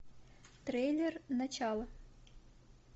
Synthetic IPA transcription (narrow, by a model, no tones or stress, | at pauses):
t̪ɾɛjlʲɛrnɐt͡ʃɑlˠɐ